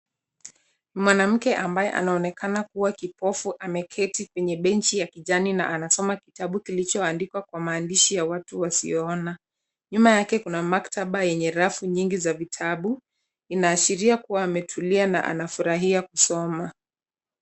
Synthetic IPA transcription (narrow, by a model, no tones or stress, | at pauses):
nimwanam̩kɛʔambajɛ̰ʔa̰naɔnɛkʰanakuwakipɔfuʔamɛkʰɛtikwɛɲɛɓɛnt͡ʃijakiʄanina̰ʔanasɔmakitaɓukilit͡ʃɔandikwakwamaːndiʃijawatuwasḭjɔɔna | ɲumajakɛkunamaktʰaɓajɛɲɛɾafuɲiŋɡizavitʰaɓu | inaːʃiɾiakuwaːmɛtʰuliana̰ʔa̰nafuɾaɦiakusɔma